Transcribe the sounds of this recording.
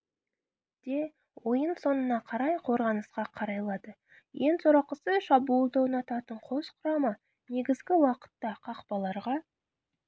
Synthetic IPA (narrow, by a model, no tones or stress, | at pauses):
d̪̥e̞ | wo̞jənso̞nənɑqʰɑɾɑjqʰo̞ɾʁɑnəsqɑqʰɑɾɑjlˠɑd̪ə | je̞nsoɾɑqəsəʃɑbuːlˠd̪ɑwnɑt̪ɑt̪əɴqʰo̞sqʰʊɾɑmə | ne̞ɡʲɪzɡʲɪwɑqə̥t̪ːɑqʰɑqpɑlˠɑɾʁɑ